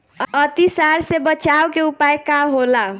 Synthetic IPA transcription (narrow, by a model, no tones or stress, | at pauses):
ət̪isaɾsebət͡ʃawkeupajkaɦola